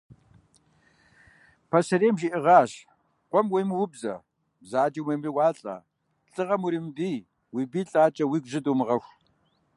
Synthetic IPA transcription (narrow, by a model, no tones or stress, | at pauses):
pʰɐsɐɾeːmʒiʔɪʁɑːɕ | qʷɔmwejmwʊbzɐ̰ | bzaːd͡ʒiweːmriwɑːɬʼa̰ː | ɬʼɨʁɐmwuɾiːmbiː | wiːbiːɬʼaːt͡ʃʼɐwiːɡʷʒɨduːmɨʁɐxʷ